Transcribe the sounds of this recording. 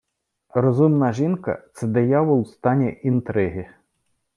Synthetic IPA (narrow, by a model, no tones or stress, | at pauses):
rɔzumnɐʒinkɐ̰t̪sɛd̪ejɑʋʊlˠst̪ɑnʲɛʔint̪ɾɪɦɪ